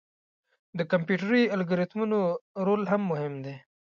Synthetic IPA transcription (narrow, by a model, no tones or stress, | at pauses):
d̪əkampjuʈɾialɡʊɾɪt̪munoɾolɦamːʊhɪmd̪e